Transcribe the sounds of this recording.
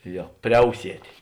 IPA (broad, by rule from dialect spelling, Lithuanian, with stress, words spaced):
ˈjoː ˈpʲrʲɛʊsʲiɛtʲeː